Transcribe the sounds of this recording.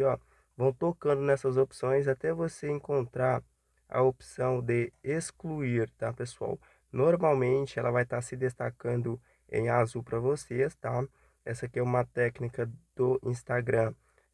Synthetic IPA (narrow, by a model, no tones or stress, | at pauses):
ɔ | vɐ̃w̃t̪okɐ̃nd̪ʊnɛsɐzopsõj̃zat̪ɛvoseẽŋkõnt̪ɾaɾ | ɐ̰opi̥sɐ̃w̃d̪eeskluiɾt̪apesua̰w | noɾmawmẽnt͡ʃɪɛlɐvajt̪aɾsɪd̪est̪akɐ̃nd̪ʊ | ḛ̃j̃azuwpɾɐvosest̪a | ɛsɐkɛũmɐt̪ɛknikɐd̪̥ʊʔĩst̪aɡɾɐ̃